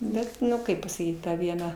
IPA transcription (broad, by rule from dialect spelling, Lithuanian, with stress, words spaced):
ˈbʲɛt nʊ ˈkɐɪp pɐsɐˈkʲiːt ˈtɐ ˈʋʲiɛnɐ